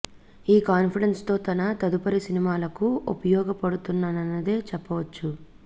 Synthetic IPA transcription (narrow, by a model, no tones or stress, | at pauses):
iːkaːnpʰiɽenst̪o̞ːt̪ɐnɐt̪ɐd̪upɐɾisinimaːlɐkuupɐjɔːɡɐpɐɽut̪unːaːnɐnːɐd̪e̞ːt͡ʃɛpːɐʋɐt͡ʃːu